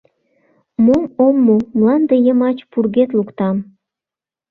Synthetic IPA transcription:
momomːomlɑnd̪ejə̆mɑt͡ɕpurɣet̪̬lukt̪ɑm

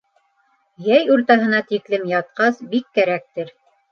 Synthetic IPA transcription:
jæjuɾt̪ɑɦɤ̆nɑt̪iklɘmjɑt̪̚qɑsbikːæɾæk̚t̪ɘɾ

